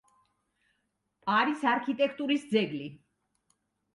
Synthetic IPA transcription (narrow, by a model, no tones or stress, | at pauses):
aɾisaɾkʰit̪ʼɛkʰt̪ʼuɾisd̪zɛɡli